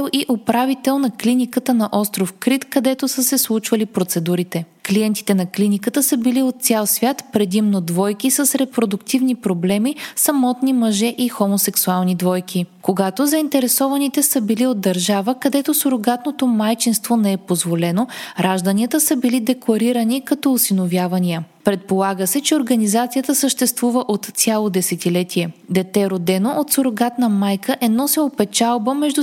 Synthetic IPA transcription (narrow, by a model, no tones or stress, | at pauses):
lˠiʔopɾavit̪ɛlˠnɐklinikət̪ənɐʔɔst̪ɾofkɾit̪kɐd̪ɛt̪osəsɛslˠut͡ʃvəlipɾot̪sɛd̪uɾit̪ɛ | kliɛnt̪i̥t̪ɛnɐklinikət̪əsəbiliot̪̚t̪sʲalˠsvʲjat̪pɾɛd̪imnod̪vɔjkisəsɾɛpɾod̪ʊkt̪ivnipɾoblɛmisɐmɔt̪nimɐʒɛʔixomosɛksualˠnid̪vɔjkʰikoɡat̪ozəint̪ɛɾɛsɔvɐnit̪ɛsəbiliod̪̚d̪ːɐɾʒavəkɐd̪ɛt̪osoɾoɡat̪not̪omajt͡ʃinst̪vonɛɛpozvolɛnoɾʔaʒd̪ɐniət̪əsəbilid̪ɛklˠɐɾiɾɐnikɐt̪ɔusinovjavɐniə | pɾɛt̪̚polˠaɡəsɛt͡ʃɛoɾɡɐnizat̪sijət̪əsəʃt̪ɛst̪vuvəʔot̪sʲalˠod̪ɛsɛt̪ilɛt̪iɛd̪ɛt̪ɛɾod̪ɛnoʔot̪soɾoɡat̪nəmajkʰəʔɛd̪nɔsɛopɛt͡ʃalˠbəmɛʒd̪u